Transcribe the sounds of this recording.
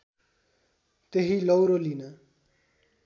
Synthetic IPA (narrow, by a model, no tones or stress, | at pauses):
t̪eɦilʌwɾolinʌ